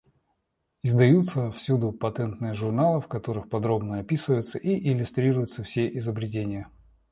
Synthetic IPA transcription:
ɪzd̪ɐjut̪səfsʲud̪ʊpɐt̪ɛnt̪nɨjəʐʊrnalˠɨfkɐt̪o̞ɾɨxpɐd̪ɾo̞bnəɐpʲisɨvəjʊt̪səʔiʔɪlʲʊst̪ɾʲiɾʊjʊt̪səfsʲeʔɪzəbɾʲɪt̬ʲenʲɪjə

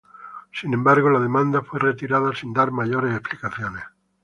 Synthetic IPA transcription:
sinẽmbaɾɣ̞olað̞e̞mãnd̪afweret̪iɾaðasind̪aɾmaʝoɾesesplikaθjones

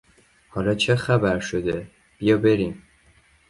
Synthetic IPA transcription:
hɒːlɒːt͡ʃʰexæbæɾʃod̪e | b̥ijɒːbe̞ɾim

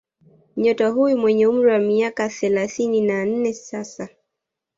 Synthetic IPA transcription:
ɲɔtaɦujumwɛɲɛum̩ɾiwamiakaθɛlaθininan̩nɛsasa

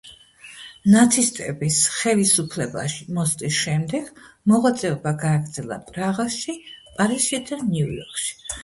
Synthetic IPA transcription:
nat̪sʰist̪ʼɛbisχɛlisupʰlɛba̰ʃimɔst̪ʼisʃɛmd̪ɛɡ̥mɔʁat̪sʼɛɔbaɡaːɡɾd̪zɛlˠa̰pʼɾaʁaʃipʼaɾisʃid̪aniujɔ̰ɾkʃi̥

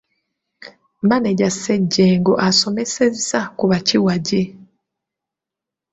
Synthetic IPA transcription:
maneɟaseɟːeːŋɡo̞ʔaso̞me̞se̞zakuβaciwaɟe

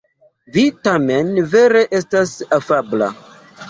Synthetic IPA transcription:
vitame̞nve̞ɾe̞ʔe̞stasafabla̰

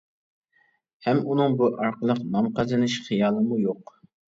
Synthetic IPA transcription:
hɛmunɨŋbuʔɑɾqəlˠəqnɑmqɑzɨnɨʃχijɑːlˠɨmujoq

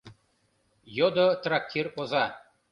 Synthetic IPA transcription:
jod̪ot̪rak̚t̪ʲʰirozɑ

